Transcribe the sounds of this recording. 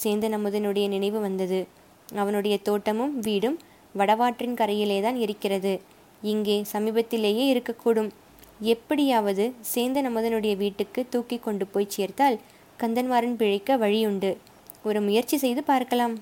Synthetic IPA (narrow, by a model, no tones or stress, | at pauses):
seːnd̪ɐnɐmːɯðɐnɯɽɐjɐnɪnɐɪʋɯʋɐnd̪ɐðɯ | ɐʋɐnɯɽɐjɐt̪oːʈːɐmɯmʋiːɽɯm | ʋɐɽɐʋaːʈrɪnkɐɾɐjɪleːt̪aːnɪɾɯkːɪrɐðɯ | ɪŋɡeːsɐmiːbɐt̪ːɪleːjeːɪɾɯkːɐkːuːɽɯm | ɛpːɐɽɪjaːʋɐðɯseːnd̪ɐnɐmːɯðɐnɯɽɐjɐʋiːʈːɯkːɯt̪ːuːkːɪkːɔɳɖɯpoːjt͡ʃeːɾt̪aːl | kɐnd̪ɐnʋaːɾɐɪnpɪɻɪkːɐʋɐɻɪjʊɳɖɯ | ɔɾɯmʊjɐɾt͡ʃːisɛjðɯpaːɾkɐlaːm